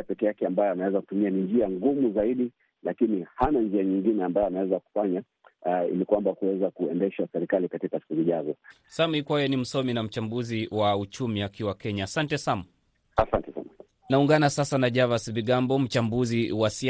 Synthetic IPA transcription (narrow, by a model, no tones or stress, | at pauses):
pɛkɛjakɛambajɔanawɛzaku̥tumianind͡ʒiaŋɡumuzaiɗi | lakinihanand͡ʒiaɲiŋɡinɛambajɔanawɛzaku̥faɲa | ḭlikwambakuwɛzakuɛndɛʃasɛɾikalikatikasi̥kuziʄazɔ | samikwajɔnim̩sɔminam̩t͡ʃambuziwaut͡ʃumiakiwakɛɲaːsantɛsam | asantɛsa̰na | nauŋɡanasasanaʄavasviɠambɔm̩t͡ʃambuziwasi